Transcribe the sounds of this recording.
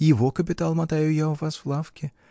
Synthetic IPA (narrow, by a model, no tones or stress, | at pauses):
jivɔkɐpʲɪt̪alˠmɐat̪ajujawfasflˠafkʲi